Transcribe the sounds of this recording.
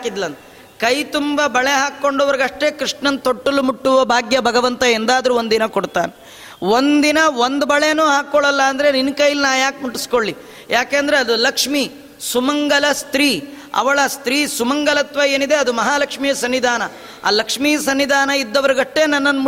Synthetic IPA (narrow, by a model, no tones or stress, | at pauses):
kid̪lɐnt̪e | kɐjt̪umbɐbɐɭeɦaːkːo̞ɳɖoʋɐɾiɡɐʂʈe̞ːkɾiʂɳɐnt̪oʈːɐlːumuʈːuʋɐbʱaːɡjɐbʱɐɡɐʋɐnt̪ɐend̪aːd̪ɐɾuːond̪inɐkoɽt̪aːne | ond̪d̪inɐond̪bɐɭenuːɦaːkːoɭɐlːɐːnd̪ɐɾe̞ninkɐjilinaːjaːk̚muʈːiskoɭːi | jaːkeːnd̪ɐɾeɐd̪ulɐkʂmi | sumɐŋɡɐlɐst̪ɾiː | ɐ̰ʋɐɭɐst̪ɾiːsumɐŋɡɐlɐt̪ʋɐe̞ːnid̪e̞ɐd̪umɐɦaːlɐkʂmijɐsɐnːid̪ʱaːnɐ | a̰ːlɐkʂmiːjɐsɐnːid̪ʱaːnɐid̪ːɐʋɐɾɡɐʂʈːe̞nɐnːɐnːmu